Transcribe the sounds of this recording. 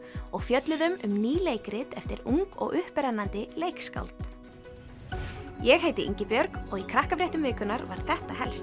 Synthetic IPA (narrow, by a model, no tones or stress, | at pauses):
ɔɣfjœt̪lʏðʏmʏmniːleːjkɾɪt̪ɛft̪ɪɾuŋkɔ̰ɣʔʏhpɾɛnːant̪ɪlejkska̰wlt̪ | jɛɣhejt̪ɪʔḭɲcɪpjœɾkɔɣikʰɾahkafɾjɛht̪ʏmvɪːkʏnaɾvaɾ̥θɛht̪aɦɛlst̪